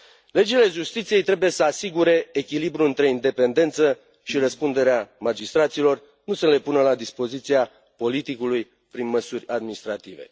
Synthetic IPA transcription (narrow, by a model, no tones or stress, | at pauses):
le̞d͡ʒile̞ʒust̪it̪sije̞jt̪ɾe̞buje̞səasiɡuɾe̞ːkʲilibɾulɨnt̪ɾe̞ind̪e̞pe̞nd̪e̞nt̪sə | ʃiɾəspund̪e̞ɾeamad͡ʒist̪ɾat̪silo̞r | nusəle̞punəlad̪ispo̞zit̪sia | po̞lit̪ikuluj | pɾinməsurʲad̪minist̪ɾat̪ivḛ